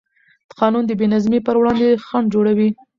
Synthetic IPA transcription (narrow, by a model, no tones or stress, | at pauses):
d̪̥ə̥qɑnund̪əbenazmepəɾwɽɑnd̪exaɳ̚d͡ʒoɽawi